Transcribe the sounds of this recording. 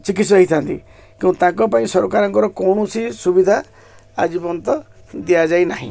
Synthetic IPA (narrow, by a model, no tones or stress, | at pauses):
t͡ʃik̬it̪sɔɦit̪ʰant̪ḭ | keũt̪ãŋkɔpaĩsɔɾɔkaɾɔŋkɔɾɔkɔwɳ̃usisubid̪ʱa | a̰d͡ʒibɔnt̪ɔ | d̪ijad͡ʒajnaɦḭ̃